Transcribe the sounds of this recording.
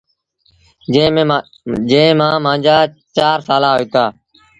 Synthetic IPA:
d͡ʒẽːmãːmãːd͡ʒaː | t͡ʃaːɾsaːlaːɦoiːt̪aː

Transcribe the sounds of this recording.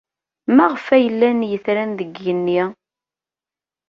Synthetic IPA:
mæʁəfæjəlːænjəθɾænðəɡːənːi

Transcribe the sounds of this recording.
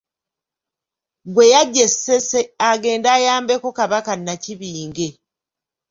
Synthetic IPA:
ɡwe̞jaɟeseseaɡe̞ːndaːjaːmbe̞kokaβakanːaciβiːŋɡe̞

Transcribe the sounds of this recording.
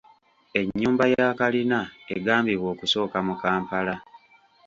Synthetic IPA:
e̞ɲːuːmbajakalinaeɡaːmbiɣwo̞ːkuso̞ːkamukaːmpala

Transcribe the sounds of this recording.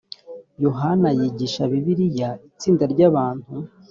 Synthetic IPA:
jo̞ɦanajiɟiʃaβiβiɾijait͡siːndaɾɟaːβaːn̥hu

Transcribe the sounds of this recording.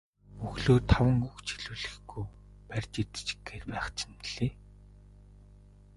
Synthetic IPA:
uxɮoːt̪ʰawə̆ŋuxt͡ɕʰiɮuːɮɘ̆xɡuj | pærʲt͡ɕit̪t͡ɕɡeːt̪pæːχt͡ɕʰɪ̥nɮ̥iː

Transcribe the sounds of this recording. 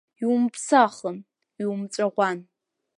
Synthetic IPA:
iwʊmpʰsaχən | iwumʈ͡ʂʷʼaʁʷan

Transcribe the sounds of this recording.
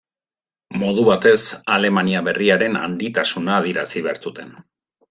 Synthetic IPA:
mo̞ðuβat̪e̞sale̞maniaβe̞riaɾe̞na̰nd̪it̪asunaːð̞iɾasiβeaɾt͡sut̪e̞n

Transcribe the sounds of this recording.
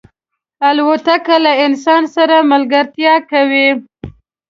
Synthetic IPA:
alwat̪akalaɪnsɑnsaɾamalɡaɾt̪jɑkawi

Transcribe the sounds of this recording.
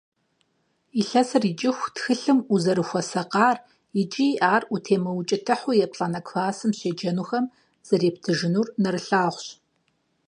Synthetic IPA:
iɬɐsɨrit͡ʃʼɪxʷtxɨɬɨmuzɐɾɨxʷɔsɐqɑːr | jɪt͡ʃʼiʔaːrutʰeːmɐwt͡ʃʼɪtʰɨħʊjɛpɬʼaːnɐkʰʷfaːsɨmɕeːd͡ʒɐnuːxɐm | z̥ɐreːp̚tʰɨʒɪnuːrnɐɾɨɬaːʁʷɕ

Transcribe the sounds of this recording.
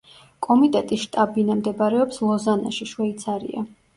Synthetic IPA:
kʼɔmit̪ʼɛt̪ʼisʃt̪ʼabinamd̪ɛbaɾɛɔpslˠɔzana̰ʃiʃwɛit̪sʰaɾḭa̰

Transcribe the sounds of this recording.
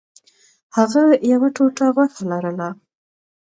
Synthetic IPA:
haɣajawaʈoʈaɣwaxalaɾəla

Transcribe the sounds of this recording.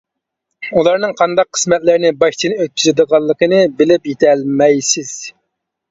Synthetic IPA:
ulˠɑɾnɨŋqʰɑnd̪ɑqʰːə̥smɛt̪lɪɾɪnɪbɑʃt͡ʃʰinɨøt̪̚kʲʰyzɪd̪əʁɑlˠːəqənɨbɪlɪpjet̪ʰɛlmɛjsɪz̥

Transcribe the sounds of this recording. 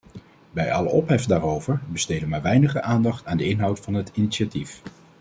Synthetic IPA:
bɛjɑ̰lə̰ɔpɦɛfdaːrowvəɹbəstejdənmaːɹʋɛjnəχəʔaːndɑχtaːndəɪnɦɑwtfɑnɦətiniʃatif

